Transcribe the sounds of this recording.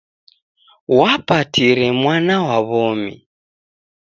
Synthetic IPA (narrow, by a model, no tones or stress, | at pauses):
wapatiɾɛmwanawaβɔmḭ